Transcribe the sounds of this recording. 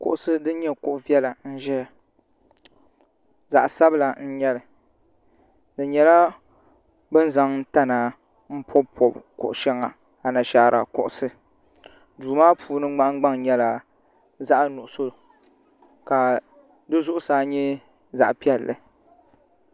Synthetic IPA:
kʊ̰˨ʔʊ˦˨sɨ˦dɨ˦ɲɛ˦kʊ˦ʔʊ˦vi˦ɛ˦la˨n̩˦ʒɛ˦ | za˨ʔsa˦bɨ˦la˨n̩˦ɲɛ˦lɨ˨ | dɨ˨ɲɛ˨la˦ | bɨ˦n˦za˨ŋn̩˦ta˦na˨ | m̩˦pʰɔ˦bpʰɔ˨bkʊ̰˨ʔʊ˨ʃɛ˦ŋa˨ | a˨na˨ʃaː˨˦˨ɾʔa̰˨kʊ˨ʔʊ˨sɨ˨ | duː˨maː˦pʰuː˦nɨ˦ŋ͡ma˦ʔɡ͡ba˦ŋɲɛ˦la˨ | za˦ʔnʊ˨ʔʊ˨so˦˨ | ka˨ | dɨ˦zʊ˦ʔʊ˦saː˦ɲɛ˦ | za̰˨ʔpi˦ɛ˦lːɨ˨

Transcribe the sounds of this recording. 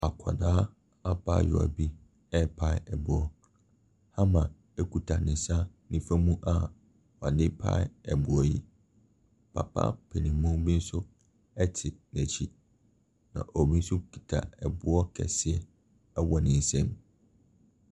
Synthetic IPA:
a˨kʰa˨nãː˨˦ | a˦pʰa̰˦˨jʊ̰˨a̰˨bi˦ | ɛ˦˨pʰa˦ɪ˦ɛ˨bʊ˨˦ɔ˦ | ha˦mã˨ | ɛ˦kʰu˨tʰa˨nɪ̃˨sa˦ | nĩ˦fæ˦mũ˦ʔa˨ | wa˨dɪ̃˦pʰa̰˦ɪ˦ɛ˨bʊ˨ɔ˦ji˦ | pʰa̰˨pʰa̰˦pʰɛ˨nĩ˨˦mũ˦m˦bi˦n̩˦sʊ˦ | ɛ˦tʰɪ˨næ˨t͡ɕʰi˦ | nã̰˨ʔɔ˨bi˦n̩˦sʊ˦kʰi̥˨tʰa̰˨ɛ˨bʊ˦ɔ˦kʰɛ̰˨sɪ˦ɛ˦ | ɛ˦wɔ˨nɪ̃˨n̩˨sɛ̃˦m

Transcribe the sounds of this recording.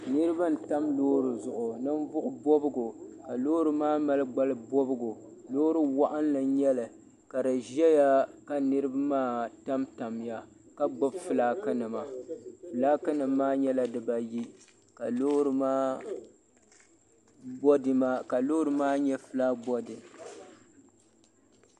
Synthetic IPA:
nɨ˦ɾɨ˦ba˦n̩˨ta˦mloː˦ɾɨ˨zʊ˨ʔʊ˨nɨ˦n˦bʊ˦ʔʊ˦bo˦bɨ˦ɡo˨ka˨loː˦ɾɨ˨maː˦ma˦lɡ͡ba˦lɨ˦bo˦bɨ˦ɡo˨ | loː˦ɾɨ˦wa˦ʔa˦n˦lɨ˨ɲɛ˦lɨ˨ | ka˨dɨ˨ʒɛ˦ja˦ka˨nɨ˦ɾɨ˦ba˦maː˦ta˦mta˨m˨ja˨ | ka˦ɡ͡bʊ˦bfɨ˨laː˦kɨ˦nɨ˨ma˨fɨ˨laː˦kɨ˦nɨ˨mːaː˦ɲɛ˦la˦dɨ˨ba˨ji˦ | ka˨lo˦ɾɨ˦maː˦ | bɔ˦dɨ˨ma˦ka˨lo˦ɾɨ˨maː˦ɲɛ˦fɨ˦laː˦bɔ˦dɨ˨

